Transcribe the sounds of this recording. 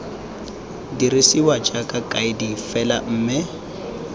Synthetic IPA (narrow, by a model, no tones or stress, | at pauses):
diɾisiwad͡ʒʼakʼakʼaɪdifɛla̰m̩ːmɪ